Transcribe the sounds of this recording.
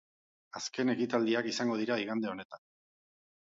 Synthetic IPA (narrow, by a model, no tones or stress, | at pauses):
aske̞ne̞kit̪ald̪iakisaŋɡo̞ð̞iɾaiɣ̞and̪e̞o̞ne̞t̪an